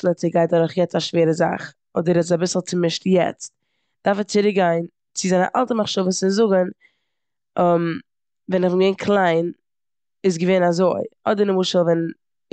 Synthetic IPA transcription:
l̩ˠət͡sɪɡaɪt̚dɔɾʊχjɛt͡staʃveːɾəza̰χ | ɔdəɾɛabɪsl̩ˠt͡sɪmɪʃtjɛ̰t͡st̚ | d̥aɾfɛt͡sɪɾɪɡaɪn | t͡sɪzaɪnə̰ʔa̰lˠtəmaχʃɔvəsɪzʊɡən | ɔm | vɛnɪχvɪnɡəveɪnkʰlˠaɪn | ɪs̬ɡəveːnazoɪɔdəɾnəmʊʃəlˠvɛn

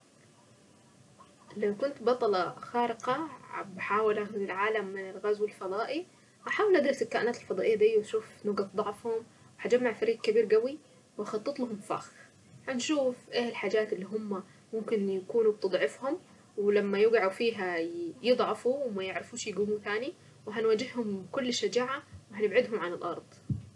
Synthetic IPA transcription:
lawkʊnt̪bɑt̪ˤɑlɑxaːɾɪqɑ̰baħaːwɪlʔaɪlʕaːlamːɪnɪlɣazwɪlfɑd̪ˤɑːʔi | haħaːwɪlʔad̪ɾɑsalkaːʔɪnaːt̪alfɑd̪ˤɑːʔɪjːad̪ijːʃuːfnʊɡad̪ˤɑʕfhʊm | whad͡ʒamːaʕfaɾiːɡkabiːɾɡawi | wɑxɑt̪ˤːɨt̪ˤlahʊmfa̰ːx | hanʃuːfʔeːlħaːd͡ʒaːt̪ɪlːiːɦʊmːa | mʊmkɪnjakuːnub̚t̪ɨd̪ˤʕɪfhʊm | wɪlamːajɪɡʕufiːɦajɨd̪ˤʕɑfuwmajɪʕɾɪfuːʃjɪɡuːmuθaːni | wɪɦanwaːd͡ʒɪhhʊmkʊlːʃːad͡ʒaːʕawɪɦanɪbʕɪd̪ɦʊmʕanɪlʔɑɾˤd̪ˤ

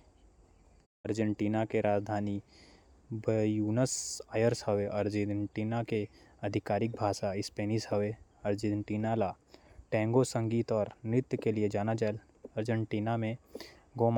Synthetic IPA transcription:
əɾd͡ʒə̃ɳʈiːnakeɾaːd͡ʒd̪ʱaːni | bjuːnəsaːjəɾshɐʋeʔɐɾd͡ʒeɳʈiːnakeɐd̪ʱɪkaːɾɪk̚bʱaːʃaɪspeːnisɦɐʋeəɾd͡ʒeɳʈiːnala | ʈɛ̃ːŋɡosə̃ŋɡiːt̪ɔːɾnɪt̪jkelied͡ʒaːnad͡ʒɛːl | əɾd͡ʒə̃ɳʈiːnamẽ | ɡoːm

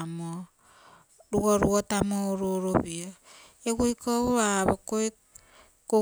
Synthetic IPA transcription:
mo | ɾuoɾuotamooɾoɾoβio | eɡojkʰohoaβokoe | ko

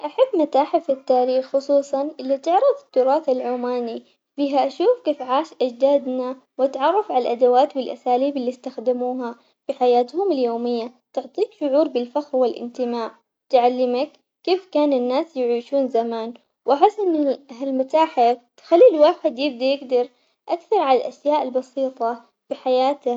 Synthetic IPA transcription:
ʔaħabːmat̪aːħɪfɪt̪ːaːɾiːxxʊsˤuːsˤɑnʔɪlːit̪ɪʕɾˤɪðˤɪt̪ːʊɾˤɑːθalʕoːmaːni | biːɦaʔaʃuːfkeːfʕaːʃʔad͡ʒd̪aːd̪na | wʔat̪ʕɑrˤːɑfʕallʔad̪awaːt̪wɪlʔasaːliːbɪlːist̪axd̪ɪmuːɦa | fiħajaːt̪hʊmɪljoːmɪjːat̪ʊʕt̪ˤiːkʃʊʕuːɾbɪlfaxɾwɪlʔɪ̰nt̪ɪmaːʕ | t̪ʕalːɪmakː | eːfkaːnɪnːaːsjʕiːʃuːnzamaːn | wʔaħɪsːʔɪnːɪɦalmat̪aːħat̪xalːiːlwaːħɪd̪jɪb̚d̪ajɪɡd̪ɑɾˤ | ʔakθɑɾˤʕalalʔaʃjaːʔɪlbɑsiːt̪ˤɑ | fiħajaːt̪a

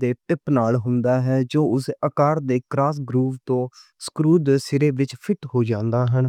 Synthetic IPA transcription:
d̪eːʈɪpnaːlɦʊ̃nd̪aːɦɛːd͡ʒoːʊsəkaːɾd̪eːkɾaːsɡɾuːʋt̪õː | skɾuːd̪sɪɾeːʋɪt͡ʃpʰɪʈɦoːd͡ʒãːnd̪aːɦən

